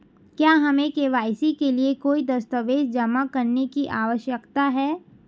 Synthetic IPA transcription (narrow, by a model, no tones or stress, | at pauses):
kjaːɦɐmẽkeːʋaːɪsikeliekoːid̪ɐst̪əʋeːʃd͡ʒɐmakɐɾnekiʔaːʋəʃjəkt̪aɦɛː